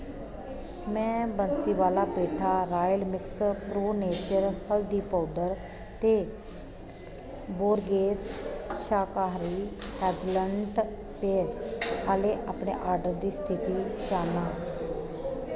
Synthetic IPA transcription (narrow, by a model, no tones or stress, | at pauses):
mɛ̃ːbənsiːʋaːlaːbeːʈʰaːɾaːjəlmɪkspɾoːneːt͡ʃəɾhəld̪iːpaːɖəɾ | t̪eː | boːɾɡeːsʃaːkaːɦɾiːɛːd͡ʒləɳɖ | peːɾaːleːʔaːpɳḛːʔaːɾɖəɾd̪iːst̪ʰɪt̪iːd͡ʒaːnaː